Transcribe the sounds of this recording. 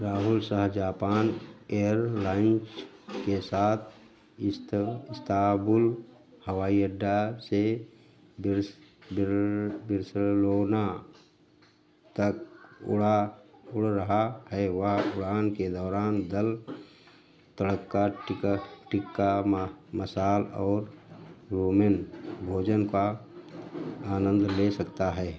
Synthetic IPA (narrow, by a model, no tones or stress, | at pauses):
ɾaːɦʊlsaːɦd͡ʒaːpaːnejəɾlaːɪnskesaːt̪ʰ | ɪst̪aːbʊl | həʋaːiəɖːase | bɾ | bɪɾsloːna | t̪əkʊ̰ɽaʊɽɾəɦahɛʋɐɦʊɽaːnked̪ɔːɾaːnd̪əl | t̪əɽəkːa | ʈɪkːaməsaːlɔːɾɾoːmenbʱoːd͡ʒənka | aːnə̃nd̪ʱlesəkt̪aɦɛː